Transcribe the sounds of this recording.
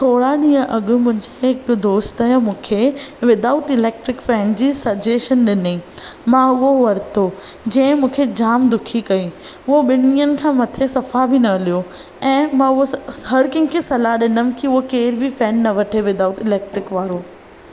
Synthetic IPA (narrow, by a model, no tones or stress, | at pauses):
t̪ʰoːɽaɗĩːə̃ʔɐɠʊ̆mʊ̃ɦɪ̃ɲd͡ʑeɦɪk̚d̪oːst̪ɐɦmũːkʰeʋɪd̪aːʊt̪ɪleːk̚ʈɾɪkfɛ̃ːnd͡ʑiːsɐd͡ʑeːʃənɗɪnemãʊɦoʋɐɾt̪ʰo | d͡ʑɐ̃ːɪ̃mũːkʰed͡ʑaːmd̪ʊkʰikɐi | ʊɦoɓɪnijənɪ̆kʰãːmɐt̪ʰesɐfabʱɪnɐlijo | ɛ̃ːmãʊɦoɦɐɽkɪ̃ŋkʰesɐlaɗɪnəmɪ̆kiʊɦokeːɾbʱifɛːnːɐʋɐʈʰeʋɪd̪aːut̪ɪleːk̚ʈɾɪkʋaːɾoː